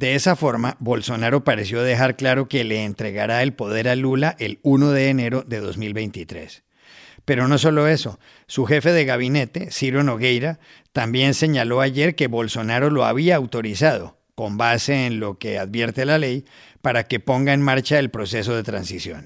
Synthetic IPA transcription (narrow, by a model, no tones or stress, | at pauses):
d̪e̞esafo̞ɾmaβo̞lso̞naɾo̞paɾe̞sjo̞ðe̞xaɾklaɾo̞ke̞le̞ːnt̪ɾe̞ɣaɾae̞lpo̞ð̞e̞ɾalulaʔe̞luno̞ðe̞ːne̞ɾo̞ðe̞ðo̞zmilβe̞jnt̪it̪ɾe̞̰s | pe̞ɾo̞no̞so̞lo̞e̞so̞ | suxe̞fe̞ðe̞ɣaβ̞ine̞t̪e̞siɾono̞ɣe̞jɾa | t̪ambje̞nse̞ɲalo̞aʝe̞ɾke̞βo̞lso̞naɾo̞lo̞a̰βiaːwt̪o̞ɾisað̞o̞ | ko̞mbase̞ːnlo̞ke̞a̰ðβje̞ɾt̪e̞lale̞j | paɾake̞po̞ŋɡae̞nmaɾt͡ʃaelpɾo̞se̞s̬o̞ð̞e̞t̪ɾa̰nsisjo̞̰n